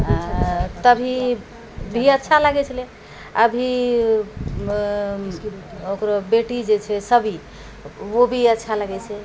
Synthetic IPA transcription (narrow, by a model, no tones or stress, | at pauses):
ɦt̪əbʱi | bʱiətːʃʰaləɡɛt͡ʃʰəle | əbʱi | okɾobeʈid͡ʒet͡ʃʰɛsəbʱi | obʱiətːʃʰaləɡɛt͡ʃʰɛ